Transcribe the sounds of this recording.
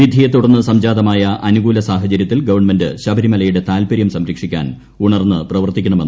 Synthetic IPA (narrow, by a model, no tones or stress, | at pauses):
ʋid̪ʱijet̪ːuɽɐnːɨsɐmd͡ʑaːd̪ɐmaːjɐʔɐnuɡuːlɐsaːɦɐt͡ɕɐɾjɐt̪ːilɡɐʋɐɳme̞ndɨ̰ɕɐbʱɐɾimɐlɐjuɽe̞t̪aːlpɐɾjɐmsɐmɾiːkʂikʲːa̰ːn | uɳɐrnːɨprɐʋɐrt̪ikʲːuɳɐmenː